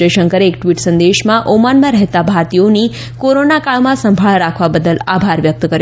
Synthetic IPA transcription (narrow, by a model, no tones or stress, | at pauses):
eʃəŋkəɾeːkʈʋiʈsə̃nd̪eʃmãʔomanmãɾəɦt̪abʱaɾt̪ijoni | koɾonakaɭmãsəmbʱaɭɾakʰʋabəd̪əlabʱaɾʋjək̚t̪kəɾj